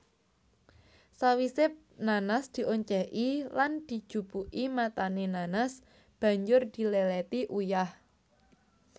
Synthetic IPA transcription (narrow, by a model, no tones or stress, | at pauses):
sawisɪp̚nanasd̪̥i̤ʔoɲt͡ʃɛʔiland̪̥i̤d̥ʒ̥ṳb̥uʔimat̪anenanas | b̥ä̤ɲd͡ʒʊrd̪̥i̤lɛlɛt̪iʔujah